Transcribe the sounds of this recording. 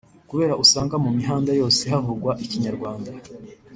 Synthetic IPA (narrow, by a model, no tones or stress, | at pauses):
kuβe̞ːɾaʔusaːŋɡamumiɦaːndajo̞ːse̞ɦavuɾɡwaʔiciɲaɾɡwaːnda